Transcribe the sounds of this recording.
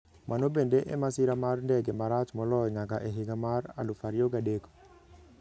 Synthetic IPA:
mʔanobendeʔḛmasɪɾamarndɛɡemaɾat͡ʃmɔlɔɲakaʔeɦɪɡamaɾa̰lʊfaɾjoɡadeko̥

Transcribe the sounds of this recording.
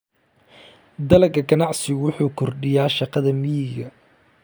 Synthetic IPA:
d̪ɐlɐɡɐɡɐnɑʕsɪwʊħuːkʰɔrɖɪjaːʃɑqɑðɐmɪjɪɣɐ

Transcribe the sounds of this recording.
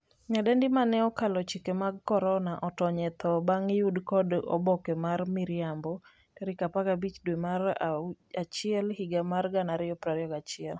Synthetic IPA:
ɲadɛndɪmanɛɔkalɔt͡ʃikemaɡkɔɾɔnaʔɔtɔɲɛt̪ʰɔbaŋjudkɔdɔ̰bɔkɛmarmiɾjambɔ | tɛɾɪkapaɡabit͡ʃdwemar | at͡ʃɪɛlhiɡamarɡanaɾɪɔpɾaɾjɔɡat͡ʃɪɛl

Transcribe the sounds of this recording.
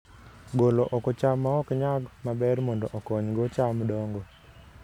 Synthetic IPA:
ɡoloʔɔkɔt͡ʃamːaɔkɲaɡmabɛɾmɔndɔʔɔkɔɲɡɔt͡ʃamdɔŋɡɔ

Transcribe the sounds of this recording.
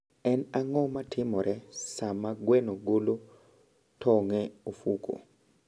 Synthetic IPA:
ɛnaŋɔmatʰɪmɔɾʔɛsamaɡwɛnoɡolo | tʰɔŋɛofuko̰

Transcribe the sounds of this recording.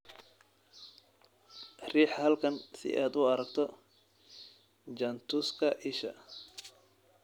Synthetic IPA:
riːħhɐlkʰɐnsɪ̰ʔaːd̪ʊɐɾɐk̚t̪ʰɔ | d͡ʒɐnt̪ʰuːskʰɐʔɪʃɐ̰

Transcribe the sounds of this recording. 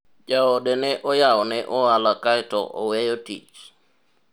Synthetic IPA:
d͡ʒaɔdɛnɛʔɔjaɔnɛʔɔalakajtɔ̰ʔɔ̰wɛjotḭt͡ʃ

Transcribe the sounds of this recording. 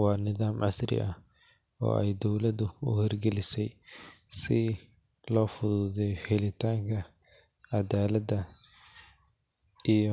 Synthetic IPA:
wɑːnɪðaːmʕasɾɪ̰ɐhɔ̰ːɛjd̪ɔwlɐd̪ʊʊ̰hɪrɡɛlɪsɛjsɪlɔːfʊðʊðɛjħɛlɪt̪ʰaːŋkʰɐ | ɐdaːlɐd̪ɐ | ijɔ

